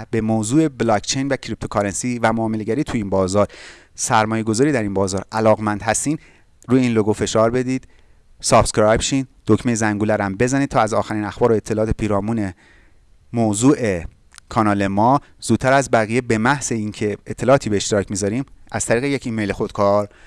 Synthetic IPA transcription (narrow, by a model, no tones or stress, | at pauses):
bemoːzuːe̞blɒkt͡ʃʰejnvæcʰɾip̚t̪ʰokʰɒɾensivæmoːmele̞ɟæɾiːt̪ʰujiːnbɒːzɒːɾ | sæɾmɒːje̞ɡo̞zɒːɾiːd̪æɾiːnbɒːzɒːɾʔælɒːɣmænd̪hæst̪iːn | ɾuːjeiːnloɡofe̞ʃɒːɾbe̞d̪iːd̪̥ | sɒːft̪kɾɑjbʃind̪̥ocʰmejzæŋɡuːlæɾæmbe̞zæniːd̥̪̚t̪ʰɒːæzɒːxæɾiːnæxbɒːɾoet̪ʰːe̞lɒːt̪ʰepʰiːɾɒːmuːne̞ | mozuːʔe̞ | kʰɒːnɒːle̞mɒː | z̥uːd̪̥̚t̪ːʰæɾæzbæɣije̞be̞mæhse̞iːŋcʰe̞et̪ʰːe̞lɒʔːt̪ʰiːbeːʃt̪eɾɒːcʰmizɒɾiːmʔæz̥t̪ʰæɾiːɣejecʰiːmejlexod̪̚kʰɒːɾ